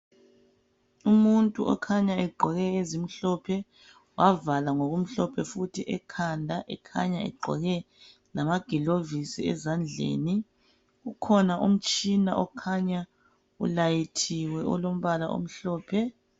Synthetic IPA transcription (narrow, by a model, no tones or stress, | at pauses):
umuntʼṵʔɔ̰kʰaɲaɛɡ͡ǃʱɔɣɛezim̩ɬɔpʰɛ | wavalaŋoɣum̩ɬɔpʰɛfutʰiʔɛkʰandʱaʔɛ̰kʰa̰ɲaɛ̰ɡ͡ǃʱɔ̰ɣɛ | lamaɡ̥ʱilovisḭɛ̰zand͡ɮʱḛːni | ɣukʰɔnaʔum̩t͡ʃʼina̰ʔɔkʰaɲa | ṵlajitʰiwɛʔɔlom̩βalaʔo̰m̩ɬɔːpʰɛ